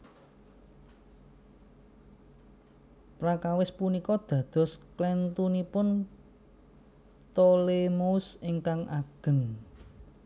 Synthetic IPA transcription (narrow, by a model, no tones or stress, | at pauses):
pɾakawɪspunikɔd̪̥ä̤d̪̥ɔ̤sklɛnt̪unipʊn | t̪olemousɪŋkaŋʔa̰ɡ̥ə̤ŋ